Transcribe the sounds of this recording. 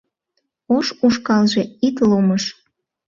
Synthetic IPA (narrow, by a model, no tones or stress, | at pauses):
oʃuʃkɑlʒeit̪loməʃ